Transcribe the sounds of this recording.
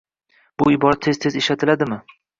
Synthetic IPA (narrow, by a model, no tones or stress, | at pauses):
b̥ʊɪbɒɾat̪ʰːe̞z̥t̪ʰe̞zeʃat̪ʰɪlad̪ɪmɪ